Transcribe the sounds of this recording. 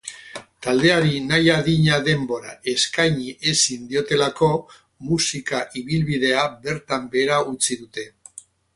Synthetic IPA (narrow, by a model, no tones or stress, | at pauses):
t̪ald̪e̞aɾinajaðiɲaðe̞mbo̞ɾaʔe̞skajɲiʔe̞sind̪io̞t̪e̞lako̞ | musikaʔiβ̞ilβið̞e̞abe̞ɾt̪ambe̞ːɾaut͡siðut̪e̞